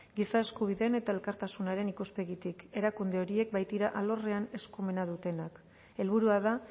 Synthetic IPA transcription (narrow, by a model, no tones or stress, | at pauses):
ɡisae̞skuβ̞iðe̞ne̞t̪ae̞lkaɾt̪asunaɾe̞nikuspe̞ɣit̪ike̞ɾakund̪e̞o̞ɾie̞k̚bajt̪iɾaʔalo̞re̞ane̞skume̞nað̞ut̪e̞nak | e̞lβuɾuaða